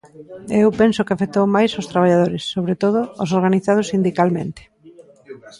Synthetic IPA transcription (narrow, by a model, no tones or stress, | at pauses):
ewpensʊkɪafet̪owmajsʊst̪ɾaβ̞aʎaðoɾɪsːoβɾet̪oð̞ʊo̰s̬oɾɣaniθað̞ʊsind̪ikalmẽnt̪ɪ̥